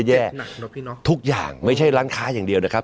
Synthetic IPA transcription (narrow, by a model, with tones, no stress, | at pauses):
jɛː˥˩ | t̪ʰu˦˥k̚ja̰ː˨˩ŋma˥˩jt͡ɕʰa˥˩jɾaː˦˥nkʰaː˨˦˥jaː˨˩ŋdi˧əwna˦˥˩jkʰa˦˥